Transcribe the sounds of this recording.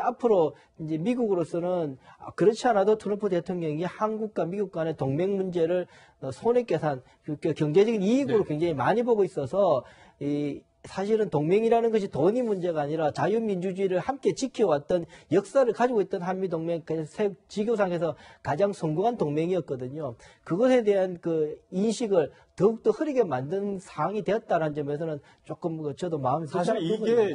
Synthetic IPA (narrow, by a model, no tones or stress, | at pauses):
apʰɯɾo | ind͡ʑe̞miɡuɡɯɾos͈ʌnɯn̰kɯɾʌt͡ɕʰianadotʰoɾʌmpʰute̞tʰoŋɲʌŋihanɡuk̚k͈wamiɡuk̚k͈wane̞toŋme̞ŋmund͡ʑe̞ɾɯɭ | ʌsʰonek͈e̞sʰan | ɯkʰekjʌŋd͡ʑe̞d͡ʑʌɡiniiɡɯɾokwe̞ŋd͡ʑaŋimaɲiboɡois͈ʌsʰʌ | i | sʰaɕʰiɾɯntoŋme̞ŋiɾanɯnɡʌɕ̬ʰitoɲimund͡ʑe̞ɡaːɲiɾat͡ɕajumind͡ʑud͡ʑuiɾɯɭhamk͈e̞t͡ɕikʰʌwat̚t͈ʌnjʌk̚s͈aɾɯɭkad͡ʑiɡoit̚t͈ʌnɦanmidoŋme̞ŋksʰek̚t͡ɕiɡjos̬ʰaŋkʰe̞s̬ʰʌkad͡ʑaŋsʰʌŋɡuɦantoŋme̞ŋiʌt̚k͈ʌdɯɲokɯɡʌsʰe̞de̞ɦankɯinɕʰiɡɯɭ | tʌuk̚t͈ohɯɾiɡemandɯnnsʰaɦaŋide̞ʌt̚t͈aɾanɯnd͡ʑʌmesʰʌnɯn | t͡ɕ͈ok͈ɯmkʌt͡ɕʌdomaɯmsʰaɕʰaoɡo